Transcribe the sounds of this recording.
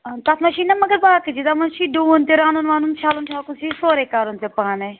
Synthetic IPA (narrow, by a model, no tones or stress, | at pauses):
t̪at̪mɐʃiːnɐmɐɡəɾbaːkəd͡ʒid̪amɐnʃiːɖũːnt̪eɾaːnunʋaːnunt͡ʃʰaːlunt͡ʃʰaːlkunsisoːɾekaːɾunt̪epaːne